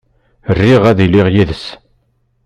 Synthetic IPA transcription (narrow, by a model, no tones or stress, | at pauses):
ərːiʁæðilːiʁjiðəs